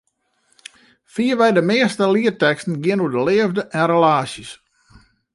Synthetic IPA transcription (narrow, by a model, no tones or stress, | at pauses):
fiəʋɛjdəmɪəstəliərtɛkstən̩ɡɪənudəlɪːəvdəʔɛnrelaːsis